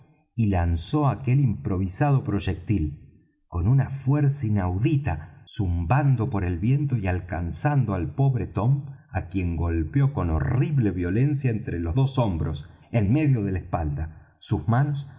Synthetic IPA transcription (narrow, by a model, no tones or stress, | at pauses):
ilanso̞ake̞limpɾo̞β̞isaðo̞pɾo̞ʒek̚t̪il | ko̞nunafweɾsainawðit̪asumband̪o̞po̞ɾe̞lβje̞nt̪o̞ialkansand̪oalpo̞βɾet̪o̞mpakje̞ŋɡo̞lpjo̞ko̞no̰riβle̞βjo̞le̞nsjaent̪ɾelo̞zðoso̞mbɾo̞s | enme̞ðjo̞ðe̞laespald̪a | suzmanos